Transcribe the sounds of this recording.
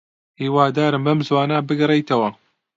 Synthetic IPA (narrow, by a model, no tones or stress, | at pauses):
hiːwaːd̪aːɾɨmbɐmzwaːnaːbɨɡɨrejt̪ʰɐwɐ